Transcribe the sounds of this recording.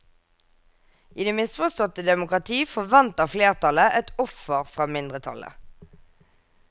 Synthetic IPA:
ʔiːd̪eːmɪsfɔʁst̪ɔt̪əd̪ɛmʊkʁɑt̪ʰiːfɔʋɑnt̪ɑfleːʁt̪ʰɑləʔɛt̪ɔfəʁfʁɑːmɪnd̪ʁət̪ʰɑ̰lə̰

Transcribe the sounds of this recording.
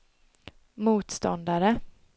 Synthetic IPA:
muːt̪st̪ɔ̰nd̪aɾə

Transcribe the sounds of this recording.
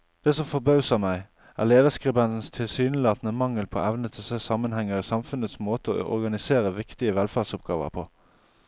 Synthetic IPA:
d̪̥ɛːsɔmfɔʁbɑʉsəʁmæɪ | ʔæ̰ːʁleːd̪əskʁɛbɛnt̪n̩st̪ʰɪlsyːnlɑːt̪nəmɑŋəlpʰo̰ːʔæʋnət̪ʰɪseːsɑːmənhɛŋːəʁiːsɑmfʉnət̪smoːt̪əo̰ʔɔ̰ʁɡɑnɪseːʁəʋɪkt̪ɪəʋɛlfæːʁsʊp̚ɡɑːʋə̰ʁpʰo̰ː

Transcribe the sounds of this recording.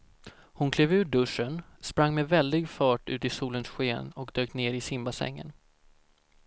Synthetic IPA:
hʊnkʰleːvʉ̟ːɖɵʂənspɾaŋːmɛvɛld̪ɪɡfɑːʈʉ̟ːt̪ɪsuːlənsɧeːnɔkd̪øːk̚neːɾɪsɪmbasɛ̰ŋːə̰n

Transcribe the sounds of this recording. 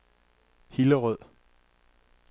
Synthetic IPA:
hiləʁœð̰ˠ

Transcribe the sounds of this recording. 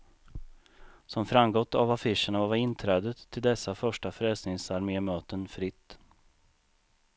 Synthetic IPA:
sɔmfɾamɡɔt̪ːa̰vafɪʂəɳavavaɾɪnt̪ʰɾɛːd̪ət̪ʰːɪld̪ɛsːafœʂʈafɾɛːsnɪŋsaɾmeːmøːt̪ənfɾɪt̪ː

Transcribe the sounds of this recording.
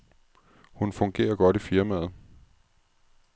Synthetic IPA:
hunfɔ̽ŋɡ̥e̝̰ːɐɡ̥ɒ̽d̥ifiɐmæð̞̩ˠ

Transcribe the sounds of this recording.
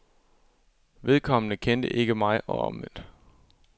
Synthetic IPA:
ʋe̝ðˠkʰɒ̽mənəkʰend̥əʔe̝ɡ̥əmɑ̈ɪɒ̽ɒ̽mend̥

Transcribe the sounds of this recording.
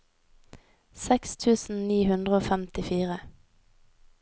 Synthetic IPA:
sɛkst̪ʰʉːsn̩niːhʉnd̪ʁəoːfɛmt̪ɪfiːʁə

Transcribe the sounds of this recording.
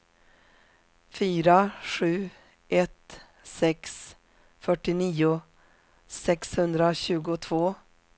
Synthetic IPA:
fyːɾaɧʉ̟ː | ʔɛt̪ | sɛks | fœʈːɪniːʊ | sɛkshɵnd̪ɾaɕʉ̟ːɡʊt̪ʰvoː

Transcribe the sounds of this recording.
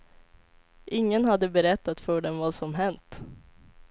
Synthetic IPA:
ʔɪŋːənɦad̪ːəbɛɾɛt̪ːat̪fœɖɛnvasɔmɦɛnt̪

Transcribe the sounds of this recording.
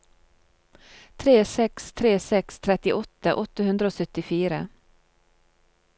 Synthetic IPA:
t̪ʰɾeːsɛkst̪ʰɾeːsɛkst̪ʰɾɛt̪ːɪʔɔt̪ːaʔɔt̪ːaɦɵnd̪ɾaɔsœt̪ːɪfyːɾa

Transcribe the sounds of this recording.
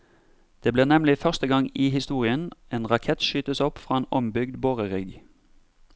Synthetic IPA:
d̪̥eːbliːʁnɛmlɪfœʁst̪əɡɑŋiːhɪst̪uːʁɪəneːnʁɑkʰɛt̪ʃyːt̪əsɔpfʁɑːeːnɔmbʏɡd̪boːʁəʁɪɡ

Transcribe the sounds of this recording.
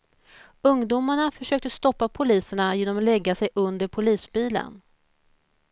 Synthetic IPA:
ɵŋd̪umaɳafœʂøːk̚t̪əst̪ɔpːapʰʊliːsəɳajeːnɔmalɛɡːasɛjʔɵnd̪əɾpʰʊliːsbiːlə̰n

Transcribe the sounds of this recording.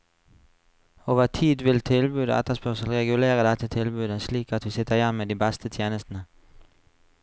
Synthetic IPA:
oːʋət̪ʰiːd̪ʋɪlt̪ʰɪlbyːd̪əɛ̰t̪əspœʁsəlʁɛɡʉleːʁəd̪ɛt̪ʰət̪ʰɪlbʉːd̪əsliːkɑt̪̚d̪ʉsɪt̪əʁjɛmed̪iːbɛst̪ʰət̪ʰjeːnəst̪ən̩ə

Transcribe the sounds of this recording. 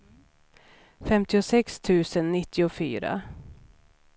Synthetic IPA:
fɛmt̪ɪʊsɛkst̪ʰʉ̟ːsənːɪt̪ʰːɪʊfy̰ːɾa̰

